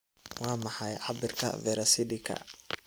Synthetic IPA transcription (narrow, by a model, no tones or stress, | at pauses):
wɑːmɑħɑjʕɑbɪrkʰɐ̰vɛɾɐsɪd̪ɪkʰɐ̰